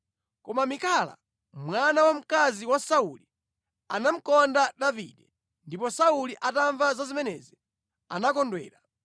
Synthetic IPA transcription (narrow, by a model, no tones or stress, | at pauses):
kɔmamikala̰ | mwanawam̩kaziwasauli | anam̩kɔndaɗavḭːɗɛ | ndipɔsauliʔataɱvazazimɛnɛzi | a̰nakɔndwɛːɾa